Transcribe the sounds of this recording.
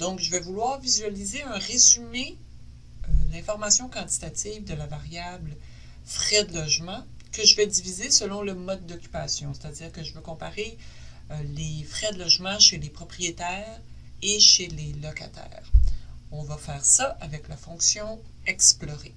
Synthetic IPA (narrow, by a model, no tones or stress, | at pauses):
d̪̥ɔ̃kʒəvɛvulwaːʁvizɥalizeœ̃ʁezyme | ølɛ̃fɔʁmasjɔ̃kɑ̃t̪i̥t̪at̪iːvd̪əlavaʁjabl | fʁɛd̪əlɔʒmɑ̃ | kəʒəvɛd̪ivizesəlɔ̃ləmɔd̪ːɔkʲy̥pasjɔ̃se̥t̪add͡ziːʁkəʒəvøkɔ̃paʁe | ølefʁɛd̪əlɔʒmɑ̃ʃelepχɔpχʁijet̪ɛːʁ | eʃelelɔka̰t̪ʰɛ̰ːʁɔ̃vafɛːʁsaʔavɛklafɔ̃ksjɔ̃ | ɛksplɔʁe